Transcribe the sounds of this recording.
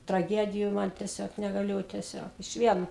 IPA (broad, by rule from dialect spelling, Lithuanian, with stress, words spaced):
trɐˈɡʲæːdʲɪjʊ ˈmɐn tʲɛˈsʲoːk nʲɛɡɐˈlʲʊ tʲɛˈsʲoːk ɪʃʲˈʋʲiɛn